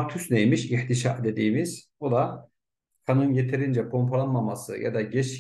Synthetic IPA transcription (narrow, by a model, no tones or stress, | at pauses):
t̪ʰysnejmiʃiht̪ʰiʃa̰d̪e̞d̪iːmiz̥bud̪a | kʰanunjet̪ʰeɾind͡ʒɛkʰo̞mpʰalˠanmamasɯ̰ja̰d̪aɟɛt͡ʃ